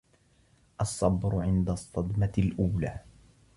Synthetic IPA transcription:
ʔɑsˤːɑbɾʊʕɪnd̪asˤːɑd̪malʔuːlaː

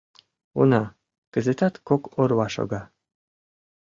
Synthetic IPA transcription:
unɑ | kəzet̪ɑt̪kokoɾwɑʃo̰ɣɑ

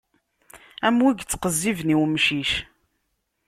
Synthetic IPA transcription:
æmwiɡt͡sːqəzːivniwmʃiʃ

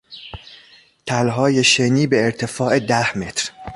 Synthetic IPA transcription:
t̪ʰælɦɒːje̞ʃeniːbe̞ːɾt̪ʰe̞fɒːʔed̪æhme̞t̪ɾ

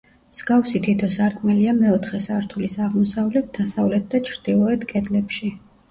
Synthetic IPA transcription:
mz̥ɡafsit̪ʰit̪ʰɔsaɾk̪ʼmɛliamɛɔt̪ʰχɛsaɾt̪ʰulisaʁmɔsavlɛt̪̚ʰd̪̥asavlɛt̪̚ʰd̪at͡ʃʰɾd̪̥ilˠɔɛt̪ʰɡʼɛd̪lɛpʃi

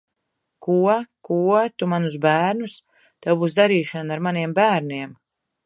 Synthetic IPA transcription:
kuɔkuɔt̪umanusbæːɾnus | t̪ɛwbuːsd̪aɾiːʃanaɾmaniɛmbæːɾniɛm

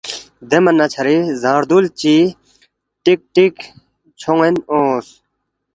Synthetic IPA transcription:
d̪emɐnːɐt͡ɕʰɐɾizaːɾd̪ult͡ɕi | ʈik̚ʈik | t͡ɕʰoŋenoːs

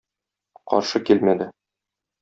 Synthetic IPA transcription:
qɒ̰ɾʃɤkilmæd̪ɘ

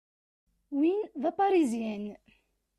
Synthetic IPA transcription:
winðɑpɑɾizjæn

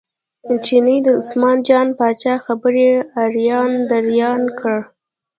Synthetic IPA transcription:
t͡ʃinid̪əʊsmɑnd͡ʒɑnpɑt͡ʃɑxabəɾeaɾjɑnd̪aɾjɑnkəɽ

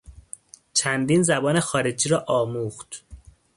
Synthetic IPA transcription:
t͡ʃʰænd̪iːnzæbɒːne̞xɒːɾed͡ʒiːɾɒːʔɒːmuːxt̪

